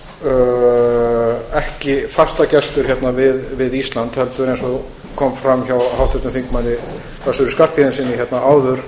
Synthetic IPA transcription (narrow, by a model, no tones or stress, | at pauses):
ɛhcɪfast̪acɛst̪ʏɾ̥çjɛt̪navɪðvɪðist̪lant̪hɛlt̪ʏʏɾejnsɔ | kʰɔmfɾamçawhawht̪ʰʏt̪ʏmθiŋkmanːɪ | kasʏɾʏskar̥t̪pihɪnsiːnɪçjɛt̪naʔaːwðʏɾ̥